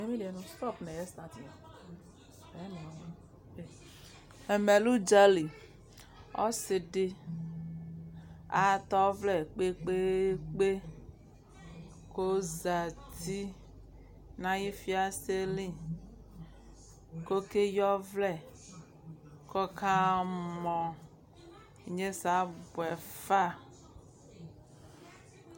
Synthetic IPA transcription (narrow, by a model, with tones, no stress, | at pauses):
e˦me˦le˨nũ˦stɔ˦˨pnɛ˨jɛ˦st̪a˦ti˨a˨ | ɛ˦nɛ̃˨˦˨ | ɛ˨me˨lu˦d͡ʒa˦li˨ | ɔ̰˦se˨de˦ | a˨t̪ɔ˦vlɛ˨k͡pe˦k͡pe˦k͡pe˦ | ko˦za˨t̪i˦ | nã˦ji˦fi˦a˨se˦li˦ | ko˦ke˦jɔ˦vlɛ˦˨ | kɔ˦ka˦mɔ̃˨ | ɲẽ˦sa˨˦bwɛ˨fa˦˨